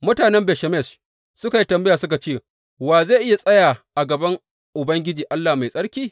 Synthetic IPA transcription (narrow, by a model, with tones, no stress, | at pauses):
mʊ˦taː˨nɛ˦mbɛ˨ʃɐ˨mɛ˦˨s | sʊ˦ka˨ji˦tɐ˨mbɐ˦jaː˨sʊ˦ka˨t͡ʃeː˦˨ | waː˨zaː˦˨ʔɪ˦ja˨sʼɐ˦jaː˨ʔa˨ɡɐ˨bɐ˦ŋ | ʔʊ˨bɐ˦ŋɡʲɪ˦d͡ʒiː˨ʔa˦lːaː˨ma˨jsʼɐ˦ɽkʲiː˦